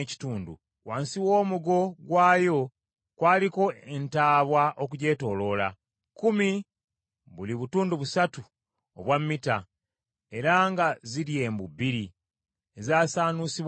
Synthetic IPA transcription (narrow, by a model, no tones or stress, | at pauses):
ci̥tuːndṵ | waːnsiwo̞ːmuɡo̞ɡwaːjo̞ | kwaːliko̞entaːβwaʔo̞k̬uɟe̞ːto̞lo̞la̰ | kumi | βuliβutuːnduβusatu | oβwamːita | e̞ɾaŋɡaziɾje̞ːmbubiɾi | ezaːsaːnusiβ